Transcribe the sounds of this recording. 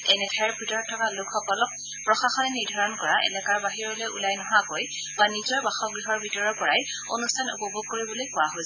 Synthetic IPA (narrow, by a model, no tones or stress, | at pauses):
ɛnɛtʰaɛɹbʱitɔɹɔttʰːɔkalʊkʰːɔkɔlɔk̚ | pɹɔxaxɔnɛniɹdʱaɹɔnkɔɹaʔɛ̰nɛkaɹbaɦiɹɔlojṵlajnɔɦakoj | banizɔɹbaxɔɡɹiɦɔɹbʱitɔɹɔpɔɹaj | onustʰanṵpɔbʱoɡ̚koɹibɔlojkʊaɦojsɛ